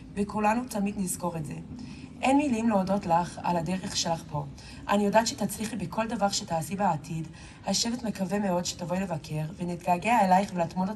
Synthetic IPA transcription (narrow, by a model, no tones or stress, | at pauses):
bekulanutamidnizko̞ʁetze̞ | ʔenmilimleodo̞tlaχa̰ladeʁeχʃelaχpo̞ | ʔanijo̞daːtʃetat͡sliχibekʰo̞ldavaʁʃetaːsibaːtʰid | haʃevetme̞kaveme̞o̞dʃe̥tavo̞jle̞vakʰe̞ʁvenitɡaːɡeaelajχvelatmon